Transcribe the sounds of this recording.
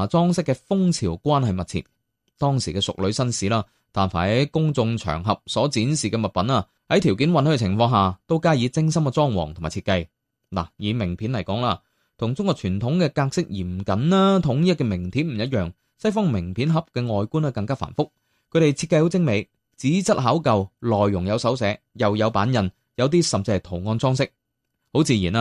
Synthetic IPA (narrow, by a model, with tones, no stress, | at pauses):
t͡sɔː˥ŋsɪ˥kːɛː˧fʊ˥ŋt͡sʰiː˨˩wkʷaː˥nhɐ˨jmɐ˨t̚t͡sʰḭ˨˩ | t̪ɔː˥ŋsiː˨˩kɛː˧sʊ̰˨k̚lɵ˨˥ɥsɐ˥nsiː˨˥laː˥ | t̪aː˨nfa̰ː˨˩hɐ˨˥jkʊ˥ŋt͡sʊ˧ŋt͡ʃʰœ̰ː˨˩ŋɦɐ˨p̚sɔː˨˥t͡siː˨˥nsiː˨kɛː˧mɐ˨t̚pɐ˨˥naː˧ | hɐ˨˥jt̪ʰiː˨˩wki˨˥nwɐ˨˥nhɛ˧t͡sʰɪ˨˩ŋfɔː˧ŋɦaː˨t̪o˥wkaː˥jiː˨˧t͡sɪ˥ŋsɐ˥mkɛ˧t͡sɔː˥ŋwɔ̰ː˨˩ŋt̪ʰʊ˨˩maː˨˩t͡sʰiː˧tkɐ˧j | la̰ː˨˩jiː˨˧mɪ˨˩ŋpʰiː˨˥nlɐ˨˩jkɔː˨˥ŋlaː˧ | t̪ʰʊ˨˩ŋt͡sʊ˥ŋkɔː˨˧k̚t͡ʃʰyː˨˩nt̪ʰʊ˨˥ŋkɛː˧kaː˧k̚sɪ˥k̚jiː˨˩m˨˩kɐ˨˦na˥t̪ʰʊ˨˥ŋjiː˥kːɛ˧mɪ˨˩ŋt̪ʰiː˨˥p̚m̩˨˩jɐ˥t̚jœː˨ŋ | sɐ˥jfɔː˥ŋmɪ˨˩ŋpʰi˨˥nɦɐ˨p̚kɛː˧ŋɔː˨jkuː˥nɐː˧kɐ˧ŋkaː˥fa̰ː˨˩nfʊ˥k̚ | kʰɵ˧ɾe˨jt͡sʰi˧kːɐ˧jho˨˥wt͡sɪ˥ŋme˨˧j | t͡siː˨˥t͡sɐ˥t̚ɦaː˨˥wkɐ˨wlɔː˨˩jːʊ˨˩ŋjɐ˨˧wsɐ˨˥wsɛː˨˥ | jɐ˨wjɐ˨˧wpaː˨˥njɐ˨n | jɐ˨˧wt̪̬iː˥sɐ˨mt͡si˧hɐ˨jt̪ʰo˨˩ŋɔː˧nt͡sɔː˥ŋsɪ˥k̚ | ho˨˥wt͡siː˨˧jiː˨˩na˧